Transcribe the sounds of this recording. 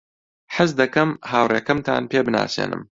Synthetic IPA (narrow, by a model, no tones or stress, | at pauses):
ħəzd̪ɐkɐmhaːwreːkɐmt̪ʰa̰ːnpeːbɨna̰ːsḛːnʔɨ̰m